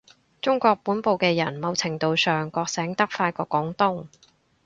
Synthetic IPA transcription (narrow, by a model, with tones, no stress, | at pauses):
t͡sʊ˥ŋkʷɔː˧k̚puː˨˥npo˨wkɛː˧jɐ˨˩nmɐ˨˧wt͡sʰɪ˨˩ŋt̪o˨˧wsœː˨ŋkɔː˧k̚sɛː˨˥ŋt̪ɐ˥k̚faː˧jkɔː˧kɔː˨˥ŋt̪ʊ˥ŋ